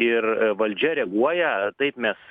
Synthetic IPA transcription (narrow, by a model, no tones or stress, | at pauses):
ɪrʋɐlʲd͡ʒʲɛɾʲɛɡuɔjɛt̪ɐɪpmʲɛs